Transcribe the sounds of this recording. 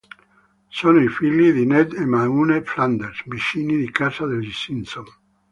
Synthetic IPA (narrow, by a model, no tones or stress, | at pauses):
sonoifilːid̪inɛd̪emaunefland̪eɾsbiʃinid̪ikasad̪eld͡ʒisinson